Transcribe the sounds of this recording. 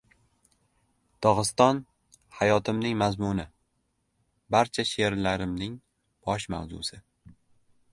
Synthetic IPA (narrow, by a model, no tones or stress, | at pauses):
t̪ʰɒʁɨst̪ɒn | hajɒt̪ʰɪmnɪŋmazmʊnɪ | baɾt͡ʃʰaʃe̞ɾlaɾɪmnɪŋ | b̥ɒʃma̰wzʊ̰sɪ